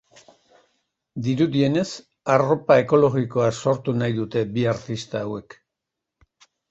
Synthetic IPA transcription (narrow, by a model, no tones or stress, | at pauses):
d̪iɾuðie̞ne̞s | aro̞pae̞ko̞lo̞ɣiko̞aso̞ɾt̪unajðut̪e̞biaɾt̪ist̪aːwe̞k